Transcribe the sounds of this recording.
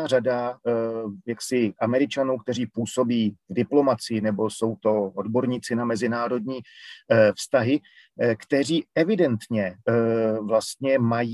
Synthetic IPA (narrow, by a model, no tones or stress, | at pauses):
arada | jaksɪʔamɛɾɪt͡ʃanuːkt̪ɛr̝iːpuːso̞biːvdɪplo̞mat͡sɪjɪnɛbo̞so̞wt̪o̞ʔodbo̞ɾɲiːt͡sɪnamɛzɪnaːɾo̞dɲiː | fst̪aɦɪ | kt̪ɛr̝iːɛvɪdɛnt̪ɲɛ | vlast̪ɲɛmaj